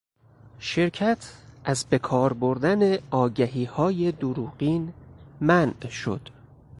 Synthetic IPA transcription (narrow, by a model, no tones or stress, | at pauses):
ʃe̞ɾcʰæt̪ʰʔæzbe̞kʰɒːɾboɾd̪æne̞ʔɒːɟæɦiːhɒːje̞d̪uɾuːɢiːnmænʔʃo̰d̪̥